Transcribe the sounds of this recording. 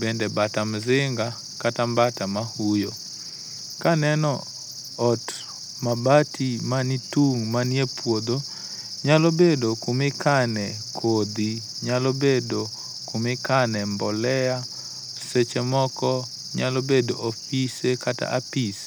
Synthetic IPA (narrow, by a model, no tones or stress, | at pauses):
bendebatamzɪŋɡa | katambatamahujo | kanɛnɔ | ɔt | mabatʰimanituŋmaniepwod̪o | ɲalobedokumɪkanɛ | kʰod̪i | ɲalobedo | kʊmɪkanɛmbɔlɛja | set͡ʃemɔkɔ | ɲalobedoʔofisekata̰ʔapis